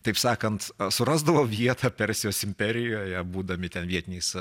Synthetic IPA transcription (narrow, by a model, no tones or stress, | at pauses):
t̪ɐɪpsɑːkɐnt̪sʊɾɑːzd̪ɐʋoːʋʲiɛt̪ʰɐːpʲɛɾʲsʲɪjoːsɪmʲpʲɛɾʲɪjoːjɛbuːd̪ɐmʲɪt̪ʲɛnʋʲiɛt̪ʲɪnʲɛːs